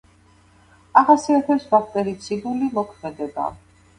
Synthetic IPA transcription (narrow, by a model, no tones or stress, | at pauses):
aʁasiat̪ʰɛɾsvaχʰt̪ʼɛɾit̪sʰid̪ulimɔkʰmɛd̪ɛba̰